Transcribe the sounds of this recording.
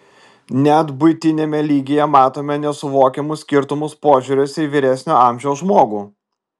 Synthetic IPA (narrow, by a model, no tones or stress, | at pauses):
nʲæt̪bʊɪt̪ʲɪnʲeːmʲɛlʲiːɡʲɪjɛmɑːt̪oːmʲɛnʲɛsʊʋoːkʲɛmʊsʲkʲɪɾt̪ʊmʊspoːʒʲʊːɾʲʊsʲɛiʋʲɪɾʲæsʲnʲoːɑˑmʲʒʲɛʊsʒmoːɡuː